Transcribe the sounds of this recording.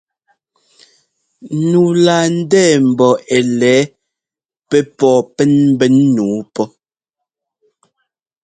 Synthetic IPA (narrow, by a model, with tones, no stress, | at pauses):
nu˨laː˨n̩˦dɛː˦˨m̩˨bɔ˨e˨lɛː˨˦ | pɛ˦pɔː˦˨pɛ˦nm̩˦bɛ˦nːuː˨˦pɔ˦